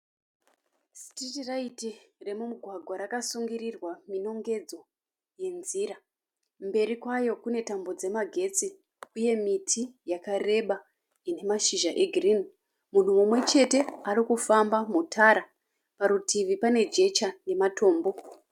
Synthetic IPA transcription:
si̥titiraitire̞mumuɡʱwaɡʱwaɾakasuŋɡirirwamino̞ŋɡe̞d͡zo̞ | je̞nziɾa | mbe̞ɾikwajo̞kune̞tambo̞d͡ze̞maɡʱe̞t͡si | uje̞mitʰijakare̞ɓa | ine̞maʃiʒaʔe̞ɡʱirini | mun̤umumwe̞t͡ʃe̞te̞aɾikufambamutʰaɾa | paɾutʰiʋipane̞d͡ʒe̞t͡ʃane̞matʰo̞ːmbo̞

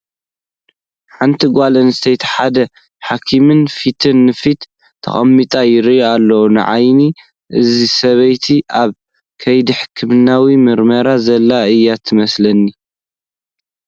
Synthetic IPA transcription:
ħant̪ʰiɡʷalɐnɨst̪ʰejt̪ħad̪ɐ | ħakʰimɨnfit̪ʰɨnːɨfit̪ʰː | ɐ̰xʼɐmːit̪ʼajɪɾjalːɐwunɨ̰ʕa̰jni | ʔɨzisɐβɐjt̪ʰiʔaβ | kʰɐjd̪iħɨkʰɨmnawimɨɾmɐɾazɐlːaɨjːat̪ʰɨmɐslɐnːi

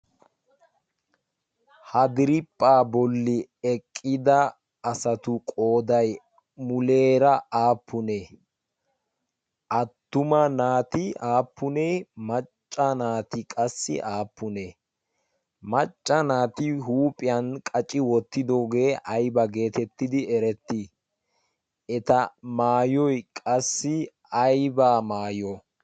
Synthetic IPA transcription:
hɐd̪ɪɾɪpʼːaːbɔlːɪɛkʼːɪd̪ɐː | sɐt̪ʊkʼo̞ːd̪ɐj | mʊleːɾɐaːpːʊne | ʔɐt̪ːʊmɐnaːt̪ɪaːpːʊneːmɐt͡ʃʼːɐnaːt̪ɪkʼɐsːɪ̰ʔaːpːʊne | mɐt͡ʃʼːɐnaːt̪ɪɦuːpʼɪjɐnkʼɐt͡ʃʼːɪwɔt̪ːɪd̪o̞ːɡe̞ːʔɐjbɐɡe̞ːt̪ɛt̪ːɪd̪ɪɛɾɛt̪ːɪ | ʔɛt̪ɐmaːjɔjkʼɐsːɪ | ɐjbaːmaːjɔ

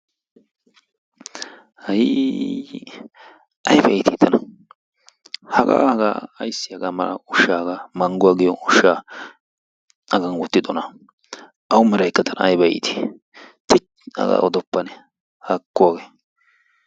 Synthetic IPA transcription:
hɐji | ɐjbɐɪt̪ɪt̪ʰːɐnɐ | hɐɡa̰ɡa̰ɐjsːɪjɐɡamɐlɐ̰ʊʃaːɡamɐŋɡʊwaːɡɪjɔʊʃaː | ɐɡɐnwɔt̪ːɪd̪ɔnɐ | ʔɐwʊmɪɾɐjkːɐt̪ʰɐnɐjbɐḭt̪ʰi̥ | t̪ɪt͡ʃ | ɐ̰ɡa̰ʔɔd̪ɔpːɐnɛ | hɐkːʊwaːɡeː

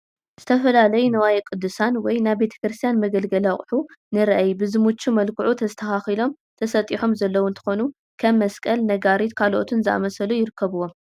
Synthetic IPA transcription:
z̥ɨt̪ʰɐfɐlalɐjunɐwajikʼɨd̪ːɨsanwɔjnajbe̞t̪ʰɐ̥kɾɨst̪ʰjanmɐɡɐlɡɐlaχʼħunɨɾɐʔajbɨzɨmut͡ʃːumɐlkʰɨʕut̪ʰɐst̪ʰɐhaxilo̞m | t̪ʰɐsɐt̪ʼiħo̞mzɐlːɐwunt̪ʰɨ̥xo̞nu | kʰɐmːɐskʼɐlnɐɡaɾit̪kʰalʔot̪ʰɨnzɨʔa̰mɐsɐlujɪɾɨkʰːɐβɨwo̞m

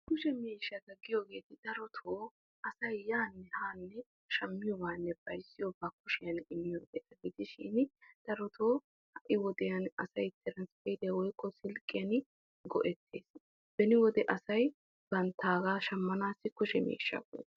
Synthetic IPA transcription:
kʊʃɛmeːʃːɐɡɐɡɪjoːɡe̞ːt̪ɪd̪̥ɐɾɔt̪ʰoː | ʔɐsɐjːaːnːɛhaːnːɛ | ʃɐmːɪjɔbaːnːɛb̥ɐjsːɪjɔbaːkʊʃɪjɐnɪmːɪjoːɡe̞ːt̪ɐɡɪd̪ɪʃɪ̰nd̪̥ɐɾɔt̪ʰoː | hɐʔɪwɔd̪ɛjɐnɐsɐjt̪ʰːɛɾɐnspɛd̪ɛjwɔjkʰʼːɔsɪlkʼːɪjɐn | ɡɔ̰ʔɛt̪ʰːe̞ːs | b̥ɛnɪwɔd̪ɛʔɐsɐj | b̥ɐnt̪ʰːaːɡaːʃɐmːɐnaːsɪkʊʃɛmḛːʃːɐ̰ɡɔ̰j̰t̪ː

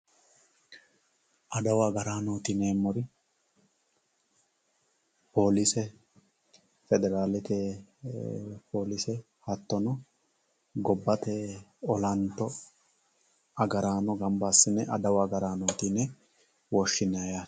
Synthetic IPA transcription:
ʔɐd̪ɐwaɡɐɾaːnoːt̪ɪneːmːɔɾɪ | po̞ːlɪsɛ | fɛd̪ɛɾaːlɛt̪eː | po̞ːlɪsɛ | hɐt̪ːɔnɔ | ɡɔbːɐt̪eːɔlɐnt̪ːɔ | ɐɡɐɾaːnɔɡɐmbasːɪnːɛʔɐ̰d̪ɐwaɡɐɾaːnoːt̪inɛ | wɔʃːɪnaja

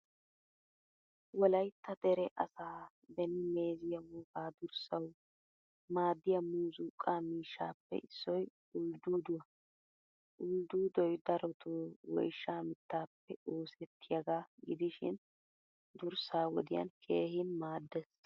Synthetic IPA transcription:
wɔlɐjt̪ːɐd̪ɛɾɛʔɐsaː | b̪ɛnɪme̞ːzɪjɐwuːkaːd̪ʊɾsɐw | maːd̪ːɪjɐmuːzuːkʼːaːmiːʃːaːpːɛ̰ʔɪsːɔj | ʔʊld̪uːd̪ʊwɐ | ʔʊld̪uːd̪ɔjd̪ɐɾɔt̪ʰoːwɔ̰jʃːaːmɪt̪ːaːpːɛoːsɛt̪ʰːɪjɐɡaːɡɪd̪ɪʃɪ̰n | d̪ʊɾsaːwɔd̪ɪjɐ̰nkʰe̞ːhɪnmaːd̪ːɛs

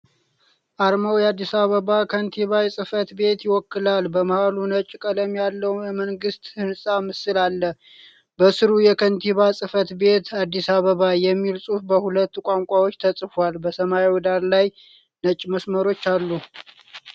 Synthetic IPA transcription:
ʔaɾməwjɛad̪ːisaβəβakʰənt̪ʰiβajɛsʼɨfət̪be̞t̪jɪwɔkːɨlalbəməhalunət͡ʃʼːkʼələmjalːəwjɛməŋɡɨst̪hɨnsʼamɨsɨlalːə | bəsɨɾujɛkʰənt̪ʰiβasʼɨfət̪be̞t̪ad̪ːisaβəβajɛmːilsʼufbəhulət̪ːukʷʼaŋkʷʼawo̞t͡ʃːt̪ʰəsʼfalbəsəmaiwɔd̪aɾlaj | nət͡ʃʼːməsməɾo̞t͡ʃːalːu

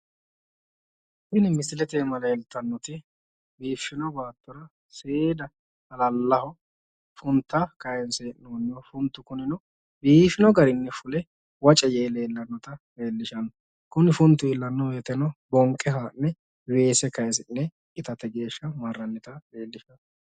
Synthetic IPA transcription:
ʃɪnɪmɪsɪlɛt̪eːmɐlɐɛlt̪ɐnːɔt̪ɪ | biːfːɪnɔbaːt̪ːɔɾɐ | seːd̪ɐ | hɐlɐlːɐhɔ | fʊnt̪ːɐkɐɛnseːɪnoːnːɪjɔfʊnt̪ːʊkʊnɪnɔ | biːfɪnɔɡɐɾɪnːɛfʊlɛ | wɐt͡ʃʼɛje̞ːleːlːɐnːɔt̪ɐ | e̞ːlːɪʃɐnːɔ | kʊnɪfʊnt̪ːʊɪlːɐnːɔweːt̪ɛnɔbɔŋkʼːɛɦaːnːɛ | we̞ːsɛkɐjs̬ɪnːɛ | kɪt̪ɐt̪ɛɡe̞ːʃːɐmɐrːɐnːɪt̪ɐeːlːɪʃɐn

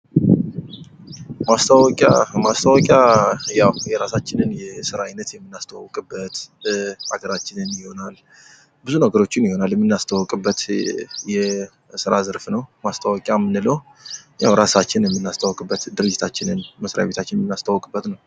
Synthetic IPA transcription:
mast̪ʰawɔkʼa̰mast̪ʰəwɔkʼjajawjɛɾasat͡ʃːɪnɨnjɛsɨɾaajnət̪jɛmːɨnːast̪ʰəwkʼɨbːət̪ | a̰ɡəɾat͡ʃːɪnɨnjɪho̞nal | bɨzunəɡəɾo̞t͡ʃːɪnjɪho̞naljɛmːɨnːast̪ʰəwɔkʼɨbːət̪jɛ | sɨɾazɨɾfnəwmast̪ʰʼawɔkʼjamːɨnːɨləw | ja̰wɾasat͡ʃːɪnjɛmːɨnːast̪ʰəwɔkʼɨbːət̪d̪ɨɾɨd͡ʒːɪt̪ʰat͡ʃːɪnɨnməsɾajaβe̞t̪ʰat͡ʃːɪnjɛmɨnːast̪ʰəwkʼɨbːət̪nəw

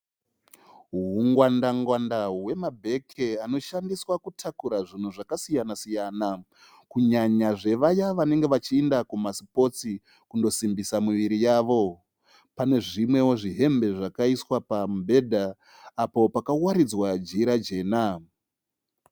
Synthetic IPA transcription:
ɦɦuŋɡwandaŋɡwandawe̞mabʱe̞kʰeano̞ʃandiswakutʰakuɾaʐin̤uʐakasijanasijana | kuɲaɲaʐe̞ʋajaʋane̞ŋɡe̞ʋat͡ʃiendakumasi̥po̞t͡si | kundo̞simbisamuʋiɾijaːʋo̞ | pane̞ʐimwe̞woʐiɦe̞mbe̞ʐakaiswapambʱe̞dʱaː | po̞pakawaɾid͡zwad͡ʒiɾad͡ʒe̞ːna

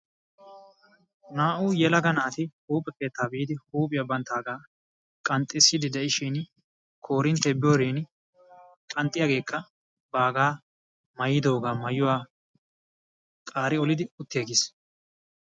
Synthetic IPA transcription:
naːʔuːjɛlɐɡɐnaːt̪ɪhuːpʼːɛke̞ːt̪ːaːbiːd̪ɪhuːpʼɪjɐbɐnt̪ːaːɡaː | kʼɐnt̪ʼːɪsːɪd̪ɪd̪ɛʔɪʃiːn | kʰo̞ːɾɪnt̪ːɛbɪjoːɾiːn | kʼɐnt̪ʼːɪjaɡe̞ːkʰːɐ | baːɡaː | mɐjɪd̪o̞ːɡaːmɐjʊwaː | kʼaːɾɪɔlɪd̪ɪʊt̪ːɪjɐɡɪːs

